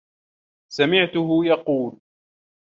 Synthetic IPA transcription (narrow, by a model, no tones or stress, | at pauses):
samɪʕt̪ʊɦʊjɑquːl